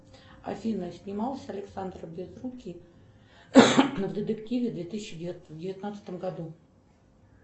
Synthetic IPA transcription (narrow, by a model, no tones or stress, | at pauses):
ɐ̰fʲinəsʲnʲɪmɑlˠsʲɐlʲɪksand̪rəbʲɪzrukʲi | vd̪ʲɪt̪ɨktʲivʲɪd̪vʲet̪ɨsʲɪɕːɪdʲvdʲɪvʲɪt̪nat̪sɨ̥t̪əmɡɐd̪u